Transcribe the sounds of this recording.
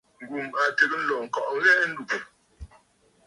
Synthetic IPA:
ŋ̩˨ɡu˨ma˨te˨k̚n̩˦lɔ˨ŋ̩˨kɔ˨ʔɣɛ˦ʔn̩˦du˨k

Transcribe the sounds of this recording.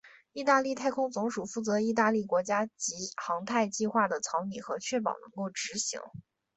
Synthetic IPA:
i˥˧t̪a˥˧li˥˧t̪ʰa˥˩ɪkʰʊ˥ŋt͡sʊ˧˥ŋʂu˨˩fu˥˩t͡sɤ˧˥i˥˧t̪a˥˧li˥˩kwɔ˧˥t͡ɕja˥t͡ɕi˧˥xɑ˧˥ŋt̪ʰa˥˧ɪt͡ɕi˥˧xwa˥˩d̪ə˩t͡sʰɑ˧˥ʊni˨˩xɤ˧˥t͡ɕʰɥɛ˥˩p̬ɑ̰˨˩ʊnɤ̰˧˥ŋko˥˩ʊʈ͡ʂɻ̩˧˥ɕḭ˧˥ŋ

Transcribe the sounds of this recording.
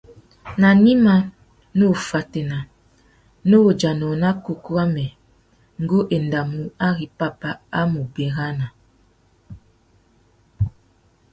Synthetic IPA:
na˨ni˦ma˦ | no˦˨fa˨te˨na˨ | no˦o˨d͡ʒa˨nɔ˨na˦ko˨ku˦a˦mɛ˨ | ŋ̩˨˦ɡo˦ʔe˨nda˨mu˦a˦ɣi˨pa˦pa˦a˦mu˨be˨ɣa˦na˨

